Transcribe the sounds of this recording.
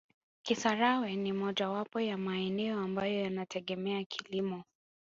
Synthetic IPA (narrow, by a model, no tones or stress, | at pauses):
kisaɾawɛnimɔʄawapɔjamaɛnɛɔambajɔjanatʰɛɠɛmɛakʰilimɔ